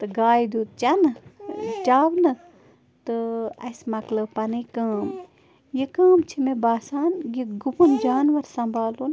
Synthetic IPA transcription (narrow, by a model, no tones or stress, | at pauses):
t̪ɨɡaːjd̪uːt̪̚t͡ʃɐnɨt͡ʃaːʋnɨ | t̪ɨɐ̰smɐklɐbpɐnɨkaːm | jekaːmt͡ʃʰimebaːsaːnɡiɡupund͡ʒaːnʋɐɾsɐmbʱaːlun